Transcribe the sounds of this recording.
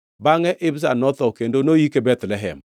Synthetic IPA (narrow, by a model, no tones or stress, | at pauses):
baŋɛʔɪbs̬anɔt̪ɔkendonojikebɛt̪lɛɦɛ̰m